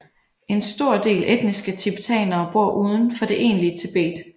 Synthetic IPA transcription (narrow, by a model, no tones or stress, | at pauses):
ʔe̝nsd̥o̝ɐ̰d̥e̝̰ːlʔed̥̚nisɡ̥ət͡sʰeb̥it͡sʰɛ̰ːnɐːb̥o̝ɐ̰ʔuːð̞ˠən̩fɒ̽d̥e̝ʔe̝̰ːnliət͡sʰe̝b̥e̝̰ːd̥